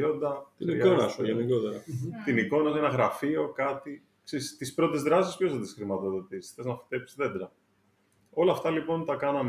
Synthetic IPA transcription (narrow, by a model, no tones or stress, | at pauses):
ond̪ɐt̪iniionɐsuʝeniko̞t̪eɾɐt̪iniko̞nɐs̬uenɐɣɾɐfio̞kɐt̪i | kseɾist̪ispɾo̞t̪ezðɾɐsispo̞sðɐt̪isxɾimɐt̪o̞ðo̞t̪isθeznɐfi̥t̪e̞psi̥zðe̞d̪ɾɐ | o̞lɐːft̪ɐlipo̞nt̪ɐkɐnɐm